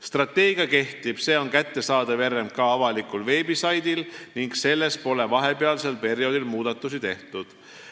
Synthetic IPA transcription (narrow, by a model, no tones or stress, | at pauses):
st̪rɑt̪ːe̞ːɡ̥iɑke̞ht̪ib̥se̞ːo̞nkæt̪ːe̞sɑːd̪̥ɑve̞remkɑɑvɑlikulve̞ːbisɑjd̪ilniŋɡse̞lːe̞spo̞le̞vɑɦe̞pe̞ɑlse̞lpe̞rjo̞ːd̪ilmuːd̪̥ɑt̪ːˑusit̪e̞ht̪ud̪̥